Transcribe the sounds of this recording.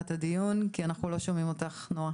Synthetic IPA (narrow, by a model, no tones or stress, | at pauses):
tadijunkianaχnulo̞ʃomimo̞taχnoa